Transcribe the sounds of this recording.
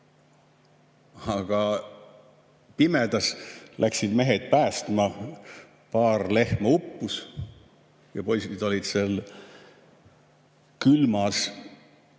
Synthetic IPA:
ɑɡ̥ɑ | pimed̪̥ɑslʔæksid̪me̞ɦed̪̥̚pæːst̪mɑ | pɑːrle̞hmɑupːus | jɑpo̞jsid̪̥o̞lʲid̪̥sel | kylmɑs

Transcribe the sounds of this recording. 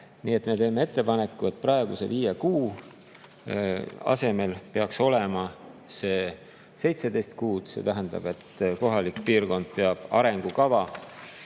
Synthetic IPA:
niːe̞t̪ˑme̞t̪e̞ːme̞e̞t̪ˑːe̞pɑnekːue̞t̪̚ːˑprɑe̞ɡ̥ṵse̞̰viːjekuː | ɑ̰se̞me̞lpe̞ɑkso̞lemɑse̞ː | se̞jt̪se̞d̪e̞jst̪kuːd̪̥se̞̰t̪æɦænd̪̥ɑ̰b̥e̞t̪ːko̞ɦɑlikpiːrko̞nd̪̥̚pe̞ɑb̥ɑ̰ɾe̞ŋɡ̥ukɑvɑ

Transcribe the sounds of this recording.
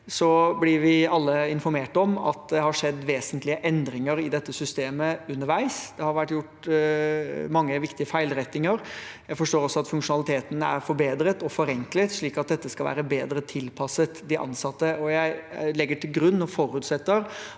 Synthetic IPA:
sɔblɪɾʋɪɑlːəɪnfɔɾmeːʈɔmɑ̰t̪̚d̪ɛhɑʂɛd̪ːʋeːsənt̪lɪəʔɛnd̪ɾɪŋəɾɪd̪ɛt̪ːəsʏst̪eːməʉnːəɾʋæɪsd̪̥ɛhɑɾʋæʈːjʊʈ | mɑŋːəʋɪkt̪ɪəfæɪlɾɛt̪ːɪŋəɾjæɪfɔʂʈoːɾɔsːɔɑt̪fʉŋkʂʊnɑlɪt̪ʰeːt̪ənæ̰ɾfɔɾbeːd̪ɾət̪ɔfɔɾɛŋklət̪ʂɭiːkɑt̪̚d̪ɛt̪ːəskɑlʋæ̰ːɾəbeːd̪ɾət̪ʰɪlpʰɑsət̪d̪ɪʔɑ̰nsɑt̪ːəɔjæɪlɛɡːəʈʰɪlɡɾʉnːɔfɔɾʉːt̪sɛt̪ːəɾ

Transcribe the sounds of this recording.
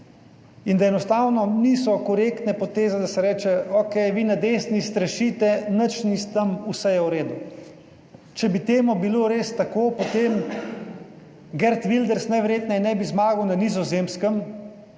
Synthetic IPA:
ind̪aɛnɔst̪awnɔniːsɔkɔɾekt̪nɛpɔt̪eːzɛd̪asɛɾɛːt͡ʃɛokɛjʋiːnad̪eːsnist̪ɾaʃit̪ɛnət͡ʃnist̪əmusɛjawɾeːd̪u | t͡ʃɛbit̪eːmubiloɾeːst̪akoːpot̪eːm | ɡɛɾt̪ʋild̪ɛɾsnɛʋɛɾjeːt̪nɛinɛbizmaːɡəwnanizɔzemskəm

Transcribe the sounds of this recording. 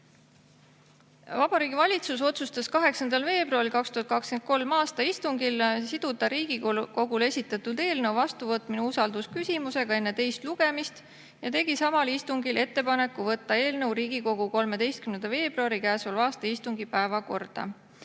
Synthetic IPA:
vɑb̥ɑɾiːɡivɑlʲit̪sus̬o̞t̪sust̪ɑskɑɦe̞ksɑnd̪ɑlve̞ːbruɑɾilkɑkst̪uhɑt̪̚kɑkske̞nt̪̚ko̞lmɑːst̪ɑist̪uŋɡilsid̪̥ud̪ɑɾiːɡ̥iko̞ɡule̞sʲit̪ːˑɑt̪ːˑuld̪e̞ːlne̞wvɑst̪uvɤt̪mineusɑld̪̥uskysʲimuse̞ɡ̥ɑe̞nːe̞t̪e̞jst̪luɡ̥e̞mist̪ | jɑt̪e̞ɡ̥isɑmɑlist̪uŋɡilʔe̞t̪ːe̞pɑne̞kːuvɤt̪ːɑe̞ːlne̞wɾiːɡ̥iko̞ɡ̥uko̞lme̞d̪e̞jst̪kymnend̪ɑve̞ːb̥ruɑɾikæːsvɑlɑːst̪ɑist̪uŋɡ̥ipæevɑko̞rd̪̥ɑ̰

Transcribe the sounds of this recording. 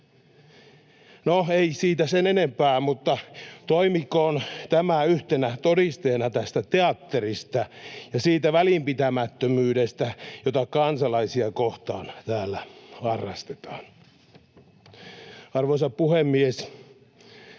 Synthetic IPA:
noeisiːt̪æsenenempæːmut̪ːɑt̪oimikoːnt̪æmæyht̪enæt̪odist̪eːnɑt̪æst̪æt̪eɑt̪ːerist̪æjɑsiːt̪æʋælimpit̪æmæt̪ːømyːdest̪æjot̪ɑkɑnsɑlɑisiɑkoht̪ɑːnt̪æːlːæhɑrːɑ̰st̪et̪ɑ̥ːn | ɑrʋoisɑppuhemːies

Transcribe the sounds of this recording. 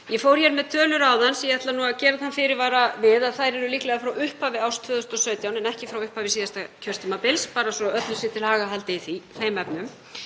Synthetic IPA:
jɛfowɾ̥çɛɾmɛðt̪ʰœːlʏɾaːwðansjɛɛt̪lanuːaðcɛːɾaðhanfɪɾɪɾvaːɾavɪðaðθajɾɛɾʏliːklɛɣafɾawʏhpavɪawst̪ʰvʏːðʏst̪ɔsœːɥt̪jawnɛnɛhcɪfɾawʏhpaːvɪsiːðast̪acʰœr̥t̪ɪmapɪlspaːɾasɔœt̪lʏsɪt̪ʰɪlhaːɣaɦalt̪ɪiθifejmɛpnʏm

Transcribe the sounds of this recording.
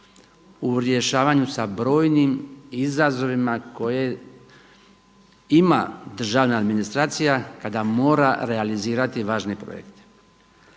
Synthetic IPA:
uɾje̞ʃaːʋaɲusabɾo̞ːjnimizazo̞ʋimako̞je | ima̰d̪r̩ʒaːʋnaːd̪minist̪ɾaːt̪sijakad̪amo̞ːɾaɾe̞aliziːɾat̪iʋaːʒnepɾo̰jḛkt̪e̥

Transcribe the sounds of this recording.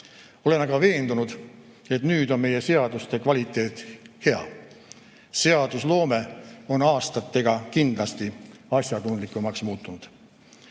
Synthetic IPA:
o̞le̞nɑɡ̥ɑve̞ːnd̪unud̪̥ | e̞t̪nyːd̪̥o̞nme̞je̞se̞ɑd̪̥ust̪e̞kvɑlʲit̪ːˑe̞ːt̪ˑhe̞ɑ̰ | se̞ɑd̪̥uslo̞ːme̞o̞nɑːst̪ɑt̪ːˑe̞ɡ̥ɑkind̪lɑst̪iɑsʲjɑt̪und̪likːˑumːɑksmuːt̪ːˑunud̪̥

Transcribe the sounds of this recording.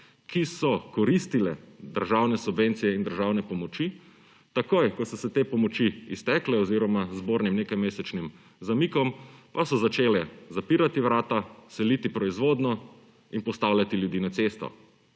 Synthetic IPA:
kisɔkɔɾist̪ilɛd̪əɾʒawnɛsubʋent̪sijɛind̪əɾʒawnɛpɔmɔt͡ʃi | t̪akojkɔsɔsɛt̪eːpɔmɔt͡ʃiist̪ɛklɛɔziɾɔmazboːɾnimnekajmeːsɛt͡ʃnim | zamikɔmpasɔzat͡ʃeːlɛzapiɾat̪iʋɾaːt̪asɛlit̪ipɾɔizʋoːd̪nɔ | inpɔst̪awljat̪iljud̪iːnat̪seːst̪ɔ̰

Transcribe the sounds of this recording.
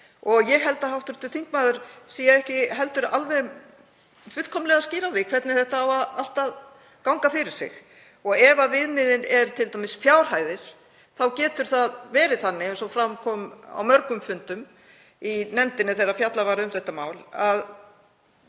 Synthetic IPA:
ɔɣjɛɣɦɛlt̪ahawht̪ʏɾ̥t̪ʏθiŋkmaːðʏɾ̥siːjaɛhcɪɦɛl̪t̪ʏɾa̰lvɛ | fʏ̥kʰɔmlɛɣasciːɾawθɪkʰvɛt̪nɪθɛht̪aawaðal̥t̪að | kawŋkafɪɾɪɾ̥sɪ̰ɣ | ɔɣɛvavɪðmɪðɪnɛɾt̪ʰɪlt̪amɪsfjaːwɾ̥haːjðɪɾ̥ | θawcɛːt̪ʏɾ̥θaðvɛːɾɪθanːɪɛnsɔfɾamkʰɔːma̰wmœɾkʏmfʏnt̪ʏm | inɛmt̪ɪnːɪθɛɾafjat̪lavaɾɪʏmθɛht̪ːamaːwlað

